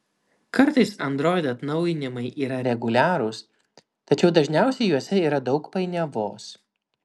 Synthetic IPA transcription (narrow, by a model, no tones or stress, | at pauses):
kɐɾt̪ɐɪsɐnd̪ɾoːjd̪ɐt̪nɒʊjɪnʲɪmɐɪʔiːɾɐɾʲɛɡʊlʲæːɾʊs | t̪ɐt͡ʃʲɛʊd̪ɐʒʲnʲæˑʊsʲɛɪjuɔsʲɛiːɾɐd̪ɒʊkpɐɪnʲɛʋoːs